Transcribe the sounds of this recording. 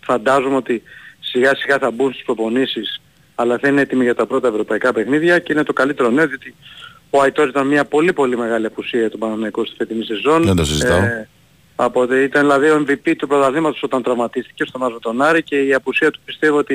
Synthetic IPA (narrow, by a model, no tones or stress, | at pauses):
fɐnd̪ɐzumo̞t̪isiɣɐsiɣɐθɐbunst̪i̥spɾo̞po̞nisis | ɐlɐθɐineet̪imiʝɐt̪ɐpɾo̞t̪ɐevɾo̞pɐikɐpe̞xniðʝɐceine̞t̪o̞kɐlit̪e̞ɾo̞ne̞oðiot̪i | o̞ɐit̪oɾsit̪ɐnmɲɐpo̞lipo̞lime̞ɣɐliɐpusiɐɐt̪obɐnɐnɐikost̪i̥fet̪inise̞zo̞ned̪osizt̪ɐ | ɐpot̪eit̪ɐnðilɐðio̞eɱvipit̪upɾot̪ɐlimɐt̪o̞so̞t̪ɐnt̪ɾɐvmɐt̪ist̪i̥cest̪omɐzmet̪o̞nɐɾice̞iɐpusiɐt̪u̥pist̪e̞vio̞t̪i